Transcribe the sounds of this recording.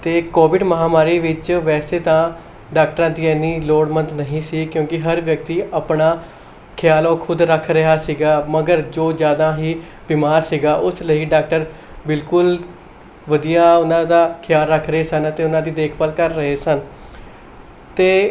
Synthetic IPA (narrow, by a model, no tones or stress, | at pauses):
t̪eːkoːʋɪɖməɦaːmaːɾiːʋɪt͡ʃʋɛːseːt̪ãː | ɖaːk̚ʈəɾãːd̪iːɛːnːiːloːɽmə̃nd̪nəɦĩːsiːkjõːkɪɦəɾʋjək̚t̪iːʔəpɳaː | kʰɪjaːloːkʰʊd̪ɾəkʰɾəɦaːsiːɡaːməɡəɾd͡ʒoːd͡ʒjaːd̪ãːɦiː | bɪːmaːɾsiːɡaːʔʊsləiːɖaːk̚ʈəɾ | bɪlkʊl | ʋəd̪ijaːʊnãːd̪aːkʰɪjaːlɾəkʰɾəɦeːsənət̪eːʊnãːd̪iːd̪eːkʰpəlkəɾːəɦeːsən | t̪eː